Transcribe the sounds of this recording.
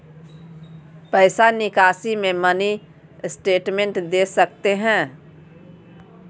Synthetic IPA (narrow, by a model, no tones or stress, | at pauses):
pəɪsanɪkaːsimẽməni | ɪsʈeːʈmẽɳʈd̪eːsəkt̪eɦɛ̃ː